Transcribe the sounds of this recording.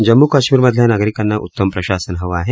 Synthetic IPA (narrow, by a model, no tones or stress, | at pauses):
d͡ʒɐmːukɐʃmiɾmɐd̪ʱjanaɡɾikɐnːaʔṵt̪ːɐmpɾɐʃaːsɐnɦɐʋaːɦe